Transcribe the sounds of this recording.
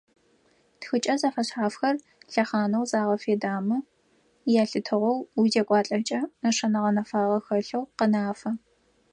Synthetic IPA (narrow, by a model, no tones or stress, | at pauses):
txɨt͡ʃʼɐzɐfɐɕħaːfxɐr | ɬɐχaːnɐwzaːʁɐfeːdaːmɨ | jaːɬɨtʰɨʁʷɔwuzekʷʼɑːɬʼɐt͡ʃʼɐnɐʂɐnɐʁɐnɐfaːʁɐxɐɬɐwqənaːfɐ